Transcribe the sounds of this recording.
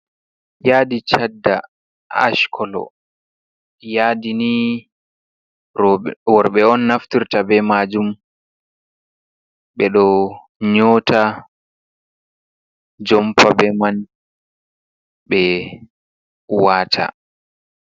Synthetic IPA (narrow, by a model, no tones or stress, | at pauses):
jaːdit͡ʃadːa | a̰ʃkʰɔlɔ̰ | jaːdini | wɔɾɓɛɔnːaftiɾtabɛmaːd͡ʒum | ɓɛɗɔ | ɲɔːtʰa | d͡ʒɔmpabɛman | ɓɛ | waːtʰa̰